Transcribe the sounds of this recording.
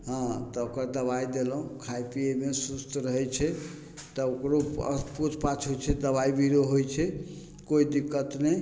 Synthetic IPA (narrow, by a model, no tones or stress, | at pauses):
ɦãt̪ɔokəɾd̪əβajd̪elɦũkʰajpiemesust̪ɾəɦɛt͡ʃʰɛ | t̪ɔokɾoə̰put̪ʰpat͡ʃʰɦojt͡ʃʰɛd̪əβaibiɾoɦojt͡ʃʰɛ | koid̪ikət̪nɛj